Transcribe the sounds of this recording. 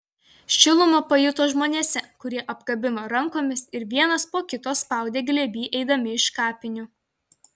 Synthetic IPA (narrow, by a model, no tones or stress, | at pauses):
ʃʲɪlˠʊmoːpɐjʊt̪oːʒmoːnʲeːsʲɛkʊɾʲiɛʔɐbɡ̥ɐbʲɪmɐɾɐŋˑkoːmʲɪsɪɾʋʲiɛnɐspoːkʲɪt̪oːspɑˑʊd̪ʲeːɡlʲɛbʲiːʔɛɪd̪ɐmʲɪɪʃkɑːpʲɪnʲʊ